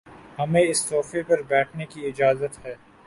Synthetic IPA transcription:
hɐmẽɪst̪ɔːfepɐɾbɛːʈʰnekiɪd͡ʒaːzət̪hɛː

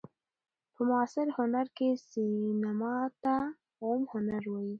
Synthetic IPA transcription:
pʰəmʊasɪɾhʊnaɾkesinamɑt̪a | omhʊnaɾwaji

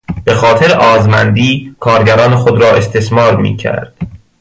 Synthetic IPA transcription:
b̥e̞xɒːt̪ʰeɾeʔɒːzmænd̪iːkʰɒːɾɟæɾɒːnexod̪ɾɒːe̞st̪ʰe̞smɒːɾmḭːcʰæ̰ɾd̪̥

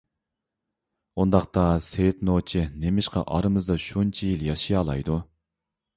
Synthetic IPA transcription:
und̪ɑqt̪ɑseɪt̪not͡ʃʰinemɪʃqɑ̰ʔɑɾɨmɨzd̪ɑʃunt͡ʃʰijiljɑʃijɑːlˠɑ̰jd̪u

